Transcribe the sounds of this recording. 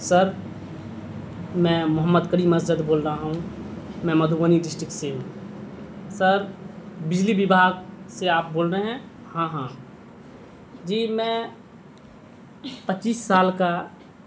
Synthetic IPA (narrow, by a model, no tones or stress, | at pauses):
səɾ | mɛ̃ːmʊɦəmːəd̪kəɾiːməsd͡ʒəd̪boːlɾaɦũmɛ̃məd̪ʱuʋəniɖɪsʈɾɪk̚ʈseɦũ | səɾbɪd͡ʒlibɪbʱaːɡseaːp̚boːlɾeɦɛ̃hãːɦãː | d͡ʒiːmɛ̃ | pət͡ʃiːsːaːlka